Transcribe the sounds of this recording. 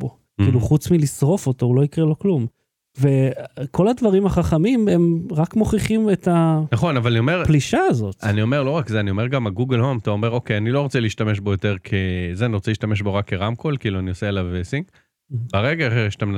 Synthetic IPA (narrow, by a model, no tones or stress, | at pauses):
bo | kiːluχut͡smilisʁo̞fo̞to̞ulo̞ikʁelo̞klum | ve̞kʰo̞ladvaʁimhaχaχamime̞mʁakmo̞χiχime̞tanaχo̞navalaniomeʁpliʃaːzo̞t̪anio̞meʁlo̞ʁakzeanio̞me̞ʁɡamaɡuɡelhomt̪aomeʁo̞kejanilo̞ʁot͡seliːʃtameʃbo̞jo̞teʁkʰezeaniʁot͡seliʃtameʃbo̞ʁakːeʁamkʰolkiːluanioseːlavesiŋk | baʁeɡaχeʁʃtamn